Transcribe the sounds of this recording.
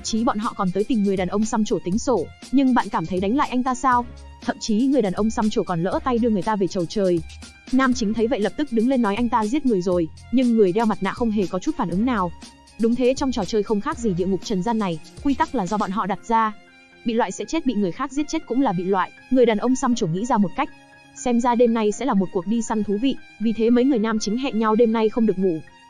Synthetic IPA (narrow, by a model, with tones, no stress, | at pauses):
mt͡ɕi˨˦ɓɔ̰˧˨nɦɔ̰˧˨kɔ˨˩nt̪əː˨˦jt̪i˨˩mŋɨ˨˩əjɗaː˨˩nʔə˧wŋ͡msa˧mt͡ɕo˧˩t̪ï˨˦ŋ̟so˧˩ | ɲɨ˧ŋɓa̰ː˧˨nkaː˧˩mt̪ʰə˨˦jɗa˨˦ŋ̟la̰ː˧˨ʔa˧jŋ̟t̪aː˧saː˧w | t̪ʰə˧˨mt͡ɕi˨˦ŋɨ˨˩əjɗaː˨˩nʔə˧wŋ͡msa˧mt͡ɕo˧˩kɔ˨˩nlə̰ː˧˥t̪a˧jɗɨ˧əŋɨ˨˩əjt̪aː˧ve˨˩t͡ɕə˨˩wt͡ɕəː˨˩j | naː˧mt͡ɕï˨˦ŋt̪ʰə˨˦jvə̰˧˨jlə˨˩p̚t̪ɨ˦˥k̚ɗɨ˨˦ŋle˧nːɔ˨˦jʔa˧jŋ̟t̪aː˧zi˦˥ət̚ŋɨ˨˩əjzo˨˩j | ɲɨ˧ŋːɨ˨˩əjɗɛ˧wma˨˩t̚na̰ː˧˨xə˧wŋ͡mɦe˨˩kɔ˨˦t͡ɕu˦˥t̚faː˧˩nʔɨ˨˦ŋnaː˨˩w | ɗʊ˨˦ŋ͡mt̪ʰe˨˦t͡ɕɔ˧wŋ͡mt͡ɕɔ˨˩t͡ɕəː˨˩jxə˧wŋ͡mxaː˦˥k̚zi˨˩ɗḭ˧˨əŋʊ˨˩k͡p̚t͡ɕə˨˩nza˧nːa˨˩jkwi˧t̪a˦˥k̚laː˨˩zɔ˧ɓa̰ː˧˨nɦɔ̰˧˨ɗa˨˩t̚zaː˧ | ɓḭ˧˨lwa̰ː˧˨jsɛ̰˧˥t͡ɕe˦˥t̚ɓḭ˧˨ŋɨ˨˩əjxaː˦˥k̚zi˦˥t̚t͡ɕe˦˥t̚kʊ̰˧˥ŋ͡mlaː˨˩ɓḭ˧˨lwa̰ː˧˨j | ŋɨ˨˩jɗaː˨˩nʔə˧wŋ͡msa˧mt͡ɕo˧˩ŋḭ˧˥zaː˧mo˨˩t̚ka˦˥k̚ | sɛ˧mzaː˧ɗe˧mna˧jsɛ̰˧˥laː˨˩mo˨˩t̚ku˨˩ək̚ɗi˧sa˧ŋt̪ʰu˨˦vḭ˧˨vi˨˩t̪ʰe˨˦məː˨˦jŋɨ˨˩əjnaː˧mt͡ɕï˨˦ŋɦɛ̰˧˨ŋɲa˧wɗe˧mna˧jxə˧wŋ͡mɗɨ˨˩ək̚ŋṵ˧˨